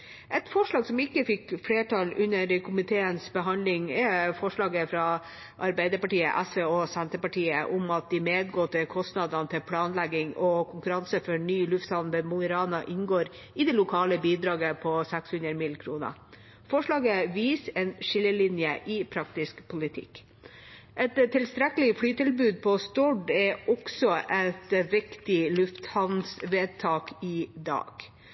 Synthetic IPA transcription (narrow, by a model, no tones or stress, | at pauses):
ʔɛt̪fɔʂɭɑːɡsɔmɪkːəfɪkːfleːʈʰɑːlʉnːəɾkʰʊmɪt̪ʰeːənsbəɦɑnd̪lɪŋɛfɔʂɭɑːɡəfɾɑ | ʔɑɾbæɪd̪əɾpɑʈiːə̰ʔæsʋeːɔsænt̪əpɑʈʰiːəʔʊmɑt̪̚d̪ɪmeːd̪ɡɔt̪ːəkʰɔst̪nɑd̪ɑnt̪ʰɪlpʰlɑːnlæɡːɪŋɔkʰʊŋkʉɾɑnsəfɔɳyːlʉft̪sɑlnd̪əmʊɡəɾɑːnɑʔɪnɡoːɾ | ɪd̪ɛlʊkʰɑːləbiːd̪ɾɑːɡəpʰɔsækshʉnɾmɪlkʰɾuːnə̰ | fɔʂɭɑːɡəʋiːsɛːnʃɪlːəlɪnjəʔɪpʰɾɑkt̪ɪskpʰʊlɪt̪ʰɪ̰k | ʔɛt̪t̪ʰːɪlst̪ɾɛkəl̩ɪfɽyːt̪ɪlbʉːd̪̚pʰɔst̪ɔɖɛʔɔksɔʔɛt̪ʋɪkt̪ɪlʉft̪hɑnnsʋeːd̪̚t̪ʰɑːkɪd̪ɑ̰ːɡ̥